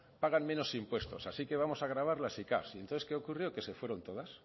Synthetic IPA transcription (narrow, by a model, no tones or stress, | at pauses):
paɣanmẽ̞no̞simpwe̞st̪o̞̰sasike̞βamo̞saɣ̞ɾaβ̞aɾlasika̰sient̪onθeskeokurjoke̞sefwe̞ɾo̞nt̪o̞ðas